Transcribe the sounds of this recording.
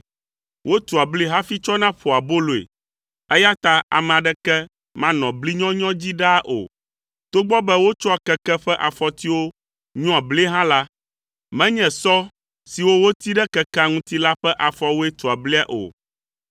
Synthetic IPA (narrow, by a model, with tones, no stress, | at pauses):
wʔo˦t̪u˨a˨bli˦ɦã˦fi˦t͡ʃɔ˦nã˦ɸɔ˨a˨bo˦lo˨ḛ˨ | ɛ˦ja˦t̪a˦a̰˨mɛ̃˨a˨ɖɛ˦kɛ˦ | mã˦nɔ̃˨bli˦ɲɔ̃˦ɲɔ̃˦d͡ʑi˦ɖɛ˦a˦ʔo̰˨ | t̪o˦ɡ͡bɔ˦bɛ˦wo˦t͡ʃɔ˦a˨kɛ˦kɛ˦ɸɛ˦ʔa˨fɔ˨t̪i˦wo˦ | ɲɔ̃˦a˨ble˦ɦã˦la˦ | mɛ̃˦ɲɛ̃˨sɔ˦ | si˨wo˦wo˦t̪i˦ɖɛ˦kɛ˨ka˦ŋũ˦t̪i˦la˦ɸɛ˦ʔa˨fɔ˨wo˦e˦t̪u˨a˨bli˦a˦ʔo̰˨